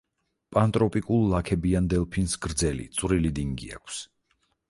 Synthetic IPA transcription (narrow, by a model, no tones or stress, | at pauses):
pʼant̪ʼɾɔpʼikʼulˠlakʰɛbiand̪ɛlˠpʰinsɡɾd̪zɛlḭt̪sʼwɾilid̪iŋɡḭa̰kʰs